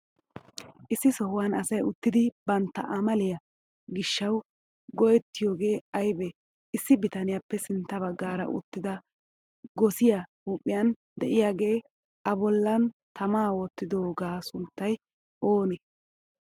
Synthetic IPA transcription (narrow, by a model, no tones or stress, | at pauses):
ʔɪsːɪsɔhʊwanɐsɐjʊt̪ːɪd̪ɪbɐnt̪ːɐ̰ʔɐmɐlɪjɐ | ɡɪʃːɐw | ɡɔjɛt̪ːɪjo̞ːɡe̞ːɐjbɛ | ɪsːɪbɪt̪ɐnɪjapːɛsɪnt̪ːɐbɐɡːaːɾɐ̰ʔʊ̰t̪ːɪd̪ɐ | ɡɔsɪjɐhuːpʼːɪjɐn | d̪ɛʔɪjaːɡe̞ː | ʔɐbɔlːɐnt̪ʰɐmaːwɔt̪ːɪd̪oːɡaːsʊnt̪ːɐj | ʔoːnɛ